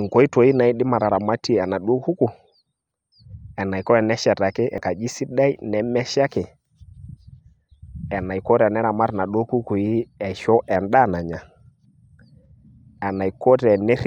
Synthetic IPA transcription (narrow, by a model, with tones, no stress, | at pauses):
ŋkɔ˨˦i˦twɔ˨˦i˦na˨i˦ɗɪ˦ma˨ɾa˨ɾa˨ma˦ti˦a˨na˨ɗu˦ɔ˦ku˦ku˨ | ɛ˨na˨i˨kɔ˦ɾɛ˨nɛ˦ʃɛ˨ta˨kɪ˦ʔɛ̰˨ka˨d͡ʒi˦si˦ɗa˦i˦nɛ˨mɛ˦ʃa˦kɪ˨ | ɛ˨na˨i˨kɔ˦ɾɛ˨nɛ˦ɾa˨ma˦ɾɛ˨na˨ɗu˦ɔ˦ku˦ku˨i˦ɛ˨ʃɔ˦ʔɛ˨nda˦˨na˨ɲa˨ | ɛ˨na˨i˨kɔ˦ɾɛ˨nɛ˦ɾ